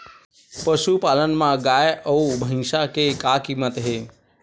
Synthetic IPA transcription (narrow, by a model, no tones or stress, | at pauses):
pəʃupalənmãɡajəubʱə̃ŋʃakekakimːət̪ɦe